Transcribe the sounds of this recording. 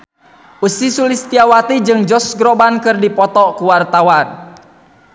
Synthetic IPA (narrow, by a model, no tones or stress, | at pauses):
ʔusisulist̪iawat̪id͡ʒɨŋd͡ʒɔsɡɾɔbankɨrdipɔt̪ɔkuwart̪awan